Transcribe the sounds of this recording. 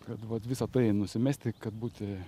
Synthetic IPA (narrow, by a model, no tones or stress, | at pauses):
kɐt̪ʋɐt̪ʋʲɪsɐt̪ɐɪnʊsʲɪmʲæːsʲt̪ʲɪkɐt̪̚buːt̪ʲɪ